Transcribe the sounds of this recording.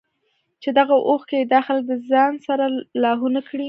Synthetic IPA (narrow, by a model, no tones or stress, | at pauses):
t͡ʃed̪aɣaʔoxked̪ɑxalk̚d̪əzɑnsaɾalɑɦunakɽi